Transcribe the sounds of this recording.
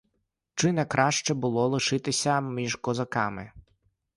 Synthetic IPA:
t͡ʃɪnɛkɾɑʃt͡ʃɛbʊlˠɔlˠɪʃɪt̪ɪsʲɐmʲiʒkɔzɐkɑmɪ

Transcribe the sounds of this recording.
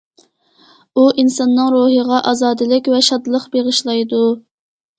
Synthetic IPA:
uʔinsɑnːɨŋɾuɦəʁɑʔɑzɑːd̪ɨlɪkʲvɛʃɑd̪lˠəqbeʁəʃlˠɑjd̪u

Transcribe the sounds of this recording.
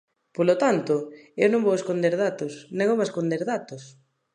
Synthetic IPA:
polot̪ant̪ʊewnõmboweskond̪eɾð̞at̪ʊsnẽŋoŋeskond̪eɾðat̪ʊs

